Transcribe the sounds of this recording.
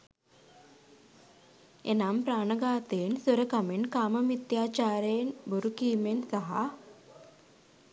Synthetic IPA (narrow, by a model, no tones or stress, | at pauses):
ḛnampɾaːɳəɡaːt̪ensəɾəkameɳkaːməmit̪jat͡ɕaːɾenbʱuɾukiːmensaɦa